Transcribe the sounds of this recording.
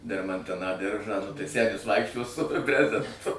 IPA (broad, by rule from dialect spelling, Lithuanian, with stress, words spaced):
dʲɛrmɐnʲˈtʲɪnɑː ˈdʲɪrʒɑː nʊ tɐɪ ˈsʲæːnʲɪs ˈʋɐɪkʃʲt͡ʃʲoːs sʊ ˈbʲrʲæːzʲɛntʊ